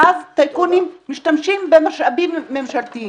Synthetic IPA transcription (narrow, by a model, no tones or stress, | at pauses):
ʔazt̪ajkunimːiʃtamʃimbemaʃabimːemʃalt̪i